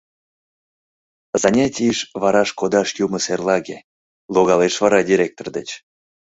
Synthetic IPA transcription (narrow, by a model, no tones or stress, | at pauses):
zɑnʲatʲiʃvɑɾɑʃkod̪ɑʃjuməserlˠɑɣe | lˠoɣɑleʃvɑɾɑdʲiɾʲek̚t̪ord̪et͡ɕ